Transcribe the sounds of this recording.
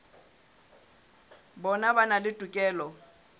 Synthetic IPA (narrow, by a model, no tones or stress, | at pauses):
bɔnabanalɪtʼukʼɛːlɔ